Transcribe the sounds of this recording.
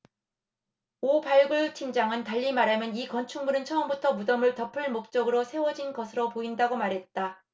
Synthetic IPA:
opaɭɡuɭt͡ɕʰind͡ʑaŋɯntaʎːimaɾamjʌnikʌnt͡ɕʰuŋmunɯnt͡ɕʰʌʌmbutʰʌmudʌmɯɭtʌpʰɯɭmok̚t͡ɕ͈ʌɡɯɾosʰe̞wʌd͡ʑinɡʌsʰɯɾopoindaɡomaɾɦe̞t̚t͈a

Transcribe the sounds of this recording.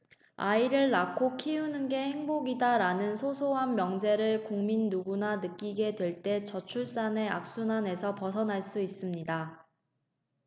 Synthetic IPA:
aiɾɯɭːakʰokʰiunɯnɡe̞he̞ŋboɡidaɾanɯnsʰosʰoɦammːjʌŋd͡ʑe̞ɾɯɭkoŋminːuɡunanɯk͈iɡe̞dwe̞ɭt͈e̞t͡ɕʌt͡ɕʰuɭs͈ane̞a̰k̚s͈unane̞sʰʌpʌsʰʌnɦaɭs͈uis͈ɯmɲida

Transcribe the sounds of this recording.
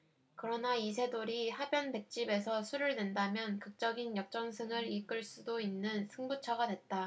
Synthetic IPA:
kɯɾʌnaisʰe̞doɾihabjʌnbe̞k̚t͡ɕ͈ibe̞sʰʌsʰuɾɯɭdwe̞ndamjʌnkɯk̚t͡ɕ͈ʌɡinjʌk̚t͡ɕ͈ʌŋsʰɯŋɯɾik͈ɯɭs͈udoinːɯnsʰɯŋbut͡ɕʰʌɡadwe̞t̚t͈a

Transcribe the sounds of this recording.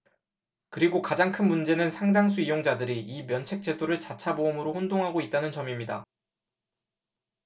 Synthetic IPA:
kɯɾiɡokad͡ʑaŋkʰɯnmund͡ʑe̞nɯnsʰaŋd͡ʑaŋs̬ʰuijoŋd͡ʑadɯɾiimjʌnt͡ɕʰe̞k̚t͡ɕ͈e̞doɾɯɭt͡ɕat͡ɕʰaboɯmɯɾohondoŋɦaɡoit̚t͈anɯnt͡ɕʌmimɲida

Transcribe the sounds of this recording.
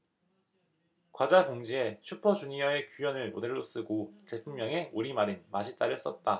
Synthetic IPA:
kwad͡ʑaɡoŋd͡ʑiet͡ɕʰupʰʌd͡ʑuɲijʌe̞kjujʌnɯɭmo̰de̞ɭːos͈ɯɡot͡ɕepʰumːjʌŋe̞ʔuɾimaɾɯnmaɕʰit͈aɾɯs͈ʌt̚t͈a

